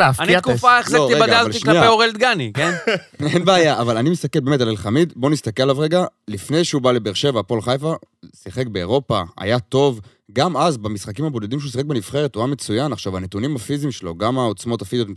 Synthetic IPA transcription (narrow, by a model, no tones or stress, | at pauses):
anikffaeχleoiebadɡ̪aaliʃnlaiapeoʁelt̪̚ɡanikenenbeajaʔavalanimist̪akelbeme̞talelχamid̪bo̞nist̪akelalavʁeɡalifne̞jʃeubale̞beʁʃe̞vapo̞lχajfa | siχe̞kbe̞ːʁo̞paa̰jat̪o̞v | ɡamazbamisχakimhabo̞de̞dimʃeus̬iχekbenifχeʁet̪uame̞t͡sujanaχʃavanet̪unimafizimʃelo̞̰ɡamao̞t͡smo̞t̪afizijot̪